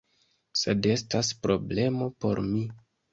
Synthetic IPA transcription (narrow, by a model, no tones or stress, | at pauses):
se̞de̞staspɾo̞ble̞mo̞po̞ɾmi